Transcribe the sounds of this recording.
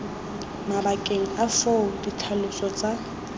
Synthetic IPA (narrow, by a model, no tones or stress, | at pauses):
mabakʼeŋ̩afoʊditʰalʊsɔt͡sʼa